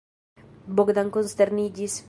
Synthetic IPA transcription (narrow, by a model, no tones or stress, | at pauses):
boɡd̪aŋkonst̪eɾnid͡ʒis